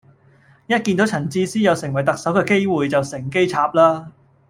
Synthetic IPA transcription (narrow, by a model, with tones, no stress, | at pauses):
jɐ˥t̚ki˧nt̪o˨˥wt͡sʰɐ˨˩nt͡siː˥siː˥njɐ˨˧wsɪ˨˩ŋwɐ˨˩jt̪ɐ˨k̚sɐ˨˥wkɛː˧ke˥jwuː˨jt͡sɐ˨wsɪ˨˩ŋke˥jt͡sʰaː˧p̚laː˥